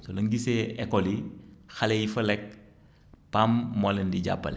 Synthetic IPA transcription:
sɔlɐŋɡisɛɛkːɔlixɐlɛjifɐlɛk̚ | pamːɔlɛndiɟa̰pːɐ̰l

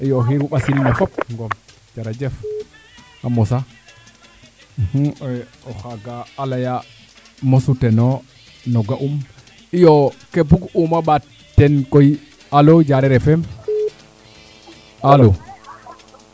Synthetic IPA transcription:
ʔijɔɦiɾuɓasilmɛfɔp̚ŋɡɔm | d͡ʒaɾad͡ʒɛf | amɔsa | h | ɔxaɡaːlaja | mosutɛnɔ | nɔɡaʔum | ijɔkebuɡumaɓa | tːɛnkoj | alod͡ʒaɾɛɾɛfɛm | alo

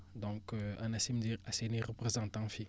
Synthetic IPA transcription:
d̪ɔ̃kãnasimd̪iʁaseneʁəpχezɑ̃t̪ãfi

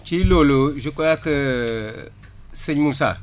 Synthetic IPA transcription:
t͡ʃiloloʒukʼojakə | sɨɲmusa̰

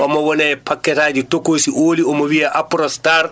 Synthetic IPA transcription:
ʔɔmɔwɔnɛpakːɛtaːd͡ʒitokosiʔoːliɔmowiaʔapɾɔstaɾ

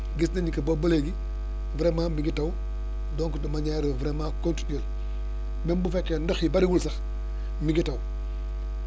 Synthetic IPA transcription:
ɡisnenikɐboboleɡi | vɾemaːmiɡitaw | doːŋkidomaɲaɾvɾemaːkontiɲol | membufekːendoxjibaɾiɡulsɐx | miɡitaw

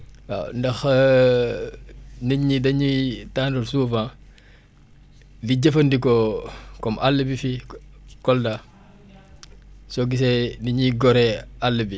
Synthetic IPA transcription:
a̰ndɐx | niɲːidɐɲitaːndoɾsuːfãː | liɟɐfɐndikokɔmʔalːəbifikɔlda | soɡis̬eniɲiɡɔɾealːəbi

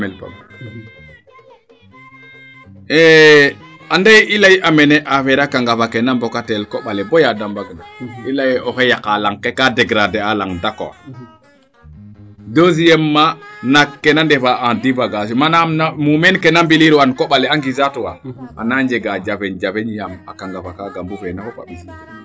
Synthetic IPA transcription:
mɛlpa̰m | ɛ | andajʔilajʔamɛnɛʔafɛɾakaŋɡafakɛnambɔkatɛlkɔɓalɛbɔjadambaɡnailajɔkɛjakalaŋkɛkadɛɡɾadɛalaŋdakɔ̰wa̰ | dozijɛmːanakːɛnandɛfaʔadivaɡas̬imanamnamumɛnkɛnambiliɾwankɔɓalɛaŋɡizatuwa̰a̰naɲd͡ʒɛɡad͡ʒavɛɲd͡ʒavɛɲjama̰kaŋɡavakaɡambufɛnakɔpa̰ɓisi

